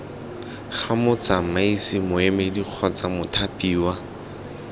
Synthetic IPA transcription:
χamʊt͡samaisɪmʊɛmɛdiq͡χʰɔt͡samʊtʰapʼiːwa

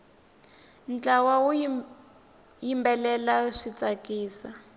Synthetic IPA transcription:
nt͡ɬawawu | jimbɛlɛlaʂit͡sakiːsa

